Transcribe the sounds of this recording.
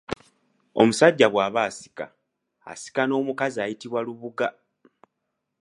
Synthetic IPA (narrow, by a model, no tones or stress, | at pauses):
o̞musaɟːaβwaːβaːsi̥ka̰ː | si̥kano̞ːmukaziaːjitiβwaluβuɡa